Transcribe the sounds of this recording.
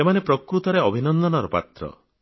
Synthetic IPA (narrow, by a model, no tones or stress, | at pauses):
emanepɾɔkɾut̪ɔɾeɔbʱinɔnd̪ʱɔnɔɾɔpa̰t̪ɾɔ̰